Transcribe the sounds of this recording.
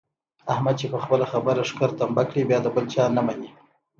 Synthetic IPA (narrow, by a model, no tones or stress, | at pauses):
ahmad̪̚t͡ʃepəxpəlaxabəɾaʂkəɾt̪ambakɽibjɑd̪əbəlt͡ʃɑnamani